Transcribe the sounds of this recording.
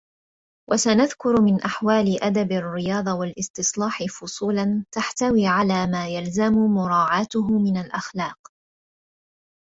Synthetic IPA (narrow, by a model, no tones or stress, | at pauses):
wʔasanaðkʊɾmɪnʔaħwaːlɪʔad̪abarːɪjɑːd̪ˤɑwalʔɪst̪ɪsˤlɑːħɪfʊsˤuːlant̪aħt̪awiːʕalaːmaːjalzamʊmʊɾˤɑːʕaːt̪ʊɦʊmɪnalʔaxlɑːq̚